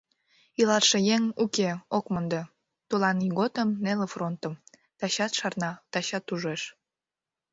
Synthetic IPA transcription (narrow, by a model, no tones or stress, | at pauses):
ilɑrʃejeŋukeokmond̪e | t̪ulɑniɣot̪əmnelefront̪əm | t̪ɑɕɑt̪ʃɑrnɑt̪ɑɕɑt̪uʒeʃ